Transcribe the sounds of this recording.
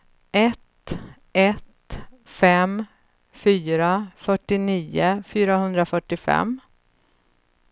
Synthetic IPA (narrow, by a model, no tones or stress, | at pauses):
ʔɛt̪ | ɛt̪ | fɛm | fyːɾafœʈːɪniːʊfyːɾaɦɵnd̪ɾafœʈːɪfɛ̰mː